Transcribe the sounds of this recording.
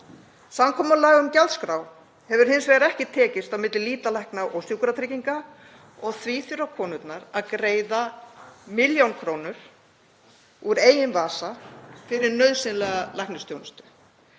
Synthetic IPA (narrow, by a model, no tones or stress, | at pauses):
samkʰɔːmalaːɣaʏmcɛlt̪skɾaw | hɛvʏɾ̥hɪnsvɛɾaɛhcɪt̪ʰɛːcɪst̪awmɪt̪lɪliːt̪lalɛhknaʔowsjowkʏɾat̪ʰɾɪciŋka | ɔɣθviːθjʏɾawkʰɔːnʏt̪naɾaðkɾeːjðamɪljawnkʰɾoːwnʏɾ̥ | uɾeːjɪnvaːsafɪɾɪɾnœɥðsɪnlɛɣalajhknʏst̪jownst̪ʏ̥